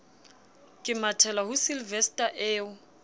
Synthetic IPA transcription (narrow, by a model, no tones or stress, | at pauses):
kʼɪmatʰɛlahʊsilvɛstʼaʔeːʊ